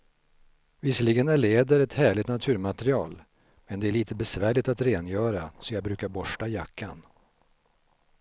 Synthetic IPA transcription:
vɪsəlɪɡənæɭeːd̪əɾɛt̪hæːɭɪt̪nat̪ʰʉ̟ːɾmat̪ɾɪɑːl | mɛnd̪ɛæɭiːt̪əbɛsvæːɭɪt̪at̪ɾeːnjœːɾasɔjɑːɡ̚bɾʉ̟ːkaɾbɔʂʈajakʰːa̰n

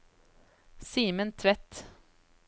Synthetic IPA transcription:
siːmənt̪ʰʋɛt̪

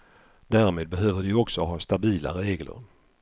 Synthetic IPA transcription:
d̪æːɾmeːd̪̚bɛɦøːvəɖɪɔksɔɦɑːst̪abiːla̰ɾeːɡlə̰ɾ

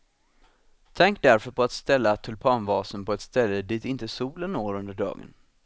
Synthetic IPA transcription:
t̪ʰɛŋk̚d̪æɾfœɾpʰɔat̪st̪ɛlːat̪ʰɵlpʰɑːnvɑːsənpʰɔɛt̪st̪ɛlːəd̪ɪt̪ɪnt̪əsuːlənːoːɾɵnd̪əɖɑ̰ːɡə̰n

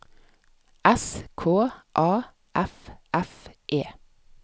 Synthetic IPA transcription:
ʔɛskʰoːʔɑː | ʔæfʔæfʔeː

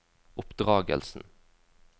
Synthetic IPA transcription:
ʔʊpd̪ʁɑːɡə̰lsn̩

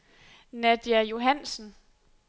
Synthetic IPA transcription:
næd̥jæjo̝ɦæn̰sn̩

